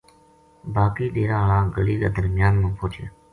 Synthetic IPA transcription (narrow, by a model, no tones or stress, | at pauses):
baːkiːɗeːɾãːɦlãːɡəliːɡa̰ːd̪əɾmɪjaːnmãːpʰoːt͡ʃʰa̰ː